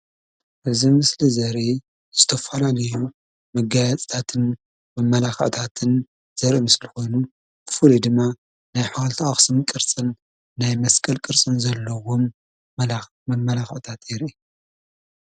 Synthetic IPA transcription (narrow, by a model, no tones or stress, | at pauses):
ʔɨzimɨslizɐɾi | z̥ɨt̪ʰɐfɐlalɐju | mɐɡajat͡sʼt̪ʰat̪ʰɨn | mɐmːɐlaxɐ̰ʕt̪ʰat̪ʰɨn | z̥ɐɾimɨslɨxo̞jnu | b̥ɨfɨlid̪ɨmːa | najħawlt̪ʰaxsɨmkʼɨɾt͡sʼɨnː | ajmɐskʼɐlkʼɨɾt͡sʼɨnzɐlːɐwom | mɐmːɐlaxɐʕt̪ʰat̪eɾi